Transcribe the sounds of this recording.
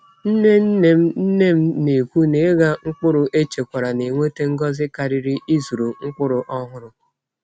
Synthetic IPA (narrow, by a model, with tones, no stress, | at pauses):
n̩˦ne˦n̩˦ne˦m̩˦n̩˦ne˦˨m̩˦ne˨kʷu˦ne˨˦ɡa˦ŋ̩˦k͡pʊ˦ɾʊ˨ʔe˦t͡ʃe˨kʷa˨ɾa˨ne˨ŋʷe˦te˦ŋ̩˦ɡɔ˦zɪ˦ka˨ɾɪ˦ɾɪ˦i˦zu˨ɾo˨ŋ̩˦k͡pʊ˦ɾʊ˨ʔɔ˦ɦʊ˦ɾʊ˦